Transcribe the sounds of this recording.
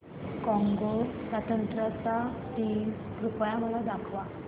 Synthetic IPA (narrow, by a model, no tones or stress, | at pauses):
kɔ̃ŋɡosːat̪ʰənt̪ɾat͡saʈiːm | pɾupjaməlad̪akʰʋa